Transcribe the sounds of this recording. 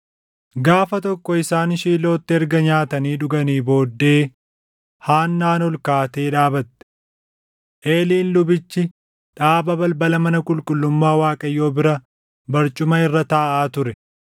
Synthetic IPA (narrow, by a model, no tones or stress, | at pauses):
ɡaːfɐt̪ɔkːɔɪsaːnʃiːlo̞ːt̪ːɪɛɾɡɐɲaːt̪ɐniːᶑʊɡɐniːbo̞ːd̪ːe̞ː | haːnːaːnɔlkaːt̪e̞ːᶑaːbɐt̪ːɛ̥ | ʔe̞ːliːnlʊbɪt͡ʃːɪ | ᶑaːbɐbɐlbɐlɐmɐnɐkʼʊlkʼʊlːʊmːaːwaːkʼɐjːo̞ːbɪɾɐ | bɐɾt͡ʃʼʊmɐɪrːɐt̪aːʔaːt̪ʊɾɛ